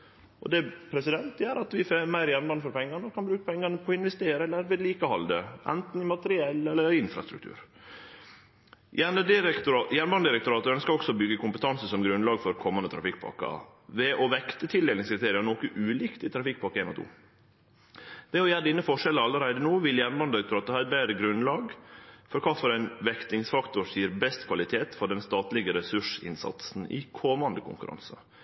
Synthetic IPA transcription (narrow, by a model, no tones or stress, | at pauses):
ʔɔ̰d̪ɛpʰɾɛsɪd̪ɛnt̪jæːɾɑt̪ʋɪfemæɪɾjæɾnbɑnfɔɾpɛŋːɑnəkʰɑnbɾʉːkə̥pʰɛŋːɑnəpʰɔɪnʋɛst̪eːɾəɛlːəɾʋɪd̪liːkəhɑld̪əʔɛ̰nt̪n̩ɪmɑt̪əɾɪɛlːɛlːəɾɾɪnfɾɑ̰st̪ɾʉ̰kt̪ʰʉ̰ːɾ | jænəd̪ɪɾkt̪ːjæɾnbɑnd̪ɪɾɛk̚t̪ʊɾɑːt̪əɾœnəskɑɾɔksɔbʏɡːəkʰʊmpət̪ʰɑnsəsɔmɡɾʉnlɑːɡfɔɾkʰɔmːɑnət̪ʰɾɑ̰fɪk̚ːpʰɑ̰kːɑ̰ | ʋɛʔɔʋɛkt̪ət̪ʰɪld̪eːlɪŋskɾɪt̪ʰeːɾɪɑnɔkəʔʉːliːkt̪ɪt̪ʰɾɑfɪk̚ːpʰɑɾkːəeːnɔ̰t̪ṵː | d̪̥ɛɔjæːɖɪnːəfɔʂɛləɑlːəɾæɪd̪ənuːʋɪljæɾnbɑnd̪ɪɾɛk̚t̪ʊɾɑːt̪əhɑːɾɛt̪̚beːɾəɡɾʉnlɑːɡfɔɾkʰɑːfɔɾæɪnʋɛkt̪ɪŋsfɑkt̪ʊɾsiːɾbɛst̪kʰʋɑlɪt̪ʰeːt̪fɔɖɛnst̪ɑːt̪lɪɡəɾɛsʉʂɪ̰nsɑ̰t̪sn̩ɪ̰kʰɔmɑnd̪əkʰʊ̰ŋkʉɾɑ̰nsə̰